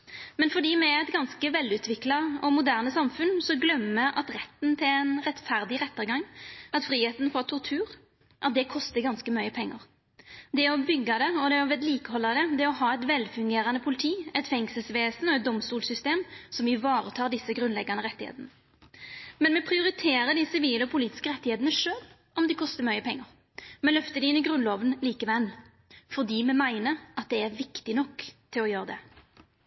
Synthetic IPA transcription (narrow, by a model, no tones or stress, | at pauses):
mɛnfɔɖ̪iːmɛɛt̪ɡɑnskəʋɛlːʉːt̪ʰʋɪklɑɔmʊd̪æːʁnəsɑmfʉnsɔɡlœmːəʔɑt̪ʁɛt̪ːn̩t̪ʰɪlɛnʁɛt̪fæʁd̪ɪʁɛt̪ːəʁɡɑŋɑt̪fʁiːheːt̪n̩fɔːʁt̪ʰɔʁt̪ʰʉːʁ | ʔɑt̪̚d̪ɛkʰɔst̪əɡɑnskəmɑʏəpʰɛŋːɑʁ | d̪ɛɔbʏɡːɑd̪ɛɔd̪ɛɔʋɛːd̪liːkəhɔlːɑd̪ɛd̪ɛɔɦɑːɛt̪ʋɛlfʉŋɡeːɾɑnəpʰʊlɪt̪ʰiːɛt̪fɛŋsəlsʋeːsn̩ɔɛt̪̚d̪ɔmst̪uːlsʏst̪eːmsɔmɪʋɑːɾət̪ʰɑːʁɖ̪ɪsːəɡɾʉnlɛɡɑnəʁɛt̪ːɪhḛːt̪ənə | mɛnmɛpʰɾɪʊɾɪt̪ʰeːɾəd̪ɪsɪʋiːləɔpʰʊliːt̪ɪ̥skəɾɛt̪ːɪheːt̪nəʂøːl | ɔmd̪ɪkʰɔst̪əmœʏəpʰɛŋːəʁ | mɛlœft̪əd̪ɛɪnɪɡɾʉnlɔːʋənliːkəʋɛl | fɔd̪iːmɛmæɪnəɾʔɑt̪̚d̪ɛæʁʋɪkt̪ɪnɔkːt̪ʰɪlɔjøːɾəd̪ɛ